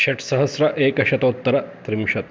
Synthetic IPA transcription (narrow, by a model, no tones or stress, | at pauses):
ɕɐʈʰsɐɦɐsɾɐʔeːkɐɕɐt̪oːt̪ːɐɾɐt̪ɾimʃɐt̪̚